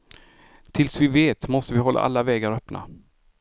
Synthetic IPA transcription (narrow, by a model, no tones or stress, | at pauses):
t̪ʰɪlsvɪveːt̪mɔst̪əvɪɦɔlːʔa̰ʔa̰lːavɛːɡaɾœpna̰